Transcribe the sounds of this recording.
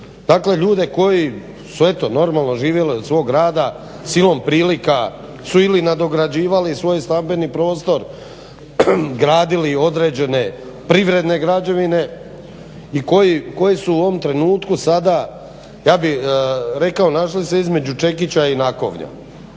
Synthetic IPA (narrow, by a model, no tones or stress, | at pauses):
d̪̥aːkle̞ʎuːd̪e̞ko̞ji | suet̪o̞no̞ɾmalˠno̞ʒiːʋje̞liod̪sʋo̞ːɡɾaːd̪a | silˠo̞mpɾiːlika | suilinad̪o̞ɡɾad͡ʑiːʋalisʋo̞jst̪ambe̞nipɾo̞ːst̪o̞ɾ | ɡɾaːd̪ilio̞d̪ɾe̞ːd͡ʑe̞ne̞ | pɾiʋɾe̞d̪ne̞ɡɾad͡ʑaʋine̞ | iko̞jiko̞jesuoʋomt̪ɾe̞nuːt̪kusad̪a | jaːbiɾe̞kao̞naʃlise̞izme̞d͡ʑut͡ʃe̞kit͡ɕainako̞̰ʋɲa̰